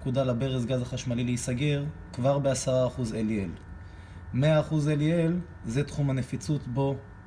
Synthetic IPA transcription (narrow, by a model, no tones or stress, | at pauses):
kud̪alabe̞ʁezɡazaχaʃmalileisaɡe̞ʁkvaʁbe̞asaʁaːχuzeliḛl | meaːχuzeliel | zet̪χumanefit͡sut̪bo̞